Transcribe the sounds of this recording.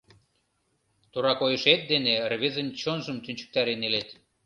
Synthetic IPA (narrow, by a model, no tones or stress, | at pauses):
t̪uɾɑkojə̆ʃet̪̚d̪enerβezə̆nt͡ɕonʒəmt̪ynt͡ɕə̥k̚t̪ɑɾenelet̪